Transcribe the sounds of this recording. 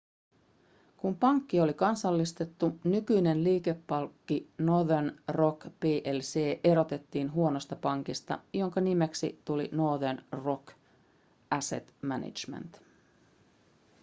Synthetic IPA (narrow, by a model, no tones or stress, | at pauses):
kumpɑŋkːio̞likɑnsɑlːist̪e̞t̪ːunykyjne̞nliːke̞pːɑlkːinoðenro̞kpeːʔelse̞ːʔe̞ɾo̞t̪e̞t̪ːiːnɦuonost̪ɑpɑŋkist̪ɑ̰jo̞ŋkɑnimeksit̪ulḭnoðenro̞k | ʔæsḛt̪mænḭd͡ʒmḛnt̪